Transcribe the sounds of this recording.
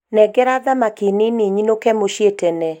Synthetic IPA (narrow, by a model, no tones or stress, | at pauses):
nɛɡɛɾaðamakineneɲinokɛmoʃjetɛnɛ